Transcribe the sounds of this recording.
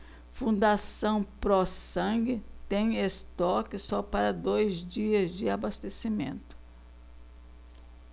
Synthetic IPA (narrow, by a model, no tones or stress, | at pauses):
fũnd̪asɐ̃w̃pɾɔssɐ̃ɡɪt̪ẽj̃est̪ɔkɪsɔpaɾɐd̪ojzd͡ʒiɐzd͡ʒɪabast̪esimḛ̃nt̪ʊ̥